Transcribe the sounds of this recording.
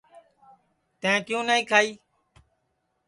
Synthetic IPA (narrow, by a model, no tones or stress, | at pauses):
t̪ẽẽːkjũːnaːĩːkʰaːiː